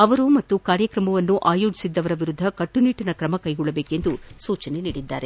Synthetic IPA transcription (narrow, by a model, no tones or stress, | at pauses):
ɐʋɐɾumɐt̪ːukaːɾjɐkɾɐmɐʋɐnːuʔaːjo̞ːd͡ʒi̥sid̪ːɐʋɐɾɐʋiɾud̪ʱːɐkɐʈːuniːʈinɐkɾɐmɐkɐjɡɔɭːɐbe̞ːke̞nd̪usuːt͡ʃɐne̞niːɽid̪ːaːɾe̞